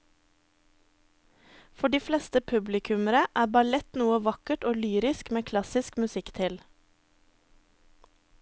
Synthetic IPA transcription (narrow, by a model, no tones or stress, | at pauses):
fɔɖiːflɛst̪əpʰʉblɪkʰʉməɾəʔæːbɑlɛt̪nuːəʋɑkəʈoːlyːɾɪskmeːkʰlɑsɪskmʉsɪkt̪ʰɪl